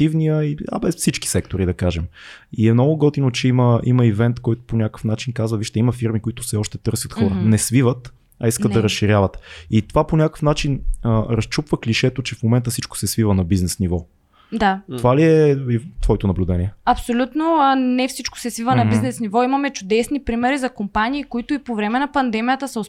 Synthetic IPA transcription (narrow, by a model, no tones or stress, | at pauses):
ivnijəiɐ̰bɛsfsit͡ʃki̥sɛk̚t̪oɾid̪ɐkaʒɛmiɛmnɔɡʊɡɔt̪inot͡ʃɛiməimɐivɛnt̪kɔjt̪ʊ̥ponʲakə̥fnat͡ʃinkazvəviʃt̪ɛiməfiɾmikoit̪ʊ̥fsɛɔʃt̪ɛt̪ɤɾsjət̪xɔɾənɛsvivət̪ | ɐisk̪ət̪d̪ɐɾəsʃiɾʲjavət̪it̪ovaponʲakə̥fnat͡ʃinəɾɐst͡ʃupvəkliʃɛt̪ot͡ʃɛfmomɛnt̪əfsit͡ʃkʊ̥sɛsvivənɐbiznɛsnivɔ | d̪at̪ovaliɛit̪vɔɛt̪ʊnɐblʲud̪ɛnʲiɛɐpsolʲut̪nonɛfsit͡ʃkʊ̥sɛsvivənɐbiznɛsnivɔimɐmɛt͡ʃʊd̪ɛsnipɾimɛɾizɐkompaniːkoit̪ʊipovɾɛmɛnɐpɐnd̪ɛmijət̪əsɐos